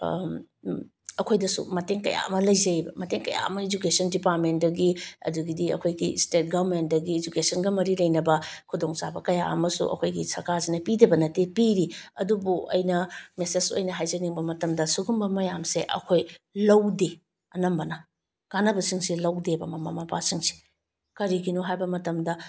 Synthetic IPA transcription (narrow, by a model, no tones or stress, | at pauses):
ɐkʰojdɐsṵmɐteŋkɐ̰ja̰ɐmɐlɐjzɐjbɐ̰mɐteŋkɐ̰ja̰ɐ̰mɐed͡ʒukesɐndipaɾ̚ment̚dɐɡiɐ̰duɡidiɐ̰kʰojɡistet̚ɡabment̚dɐɡiːd͡ʒukesɐnɡɐmɐɾilɐjnɐbɐkʰudoŋsabɐkɐjaɐmɐsṵʔɐ̰kʰojɡisɐɾkʰazinɐpidebɐnɐtepiɾiɐdubuʔɐ̰jnɐmesesuɐjnɐɦajzɐniŋbɐmɐtɐmdɐsuɡumbɐmɐjamseʔɐ̰kʰojlɐwde | ɐnɐmbɐnɐ | ɡ̥anɐbɐsiŋsilɐwdebɐmɐmamapasiŋsi̥ | kɐɾiɡinoɦajbɐmɐtɐmdɐ